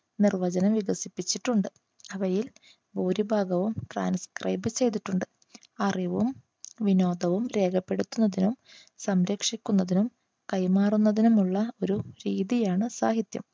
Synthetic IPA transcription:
nirʋɐd͡ʑɐnɐmʋiɡɐsipːit͡ɕːiʈːuɳɖɨ | ɐʋɐjil | buːɾibʱaːɡɐʋumʈra̰ːnskrɐ̰jbɨt͡ɕe̞jt̪̬iʈːuɳɖɨ | ɐriʋum | ʋino̞ːd̪ɐʋumɾe̞ːkʰɐpːe̞ɽut̪ːunːɐðinum | sɐmɾɐkʂikʲːunːɐðinum | kɐjmaːrunːɐðinumuɭːɐo̞ɾuɾiːðijaːɳɨsa̰ːɦit̪jɐ̰m

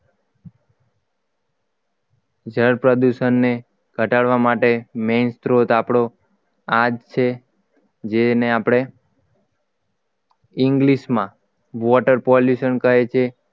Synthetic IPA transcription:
d͡ʒəɾpɾəd̪uʃənːe | ɡ̥ʱəʈaɭʋamaʈemenst̪ɾot̪apɽo | ad͡ʒt͡ʃʰe | d͡ʒeneapɽ̃e | ɪŋɡliʃmã | ʋɔʈəɾpɔljuʃənkəɦet͡ʃʰe

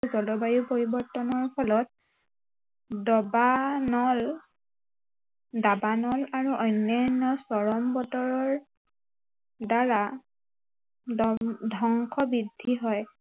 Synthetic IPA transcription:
zɔlɔbajupoɹibɔɹtɔnɔɹpʰɔlɔt̚ | dɔbanɔl | dabanɔlaɹuʔɔjnːɔnɔsɔɹɔmbɔtɔɹɔɹ | daɹa | dʱɔŋkʰɔbidʱːiɦɔj

